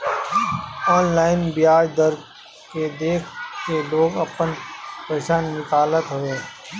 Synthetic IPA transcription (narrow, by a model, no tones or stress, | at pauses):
ɔːnlaːɪnbijaːd͡ʒd̪əɾ | ked̪eːkʰkeloːɡɐpənpeːʃaːnːɪkaːlət̪ɦoẽː